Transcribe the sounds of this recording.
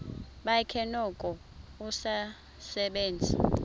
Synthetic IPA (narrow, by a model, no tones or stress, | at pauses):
ɓajikʰɛnɔkʼɔ | usa | sɛɓeːnd͡zʱḭ